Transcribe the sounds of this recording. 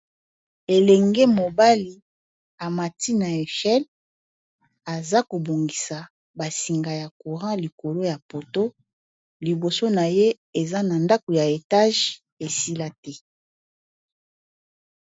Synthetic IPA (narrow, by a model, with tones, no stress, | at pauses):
e˨lɛ˨ŋɡe˦mo˨ba˦li˨ | a˨ma˨ti˦na˨e˨ʃɛ˦l | a˨za˦ko˨bo˨ŋɡi˨sa˨ | ba˨si˨ŋɡa˨ja˨ku˨ʁɑ̃˦li˨ko˨lo˦ja˨po˨to˦ | li˨bo˨so˦na˨je˦ | e˨za˦na˨nda˦ko˨ja˨e˨ta˦ʒ | e˨si˦la˦tɛ˦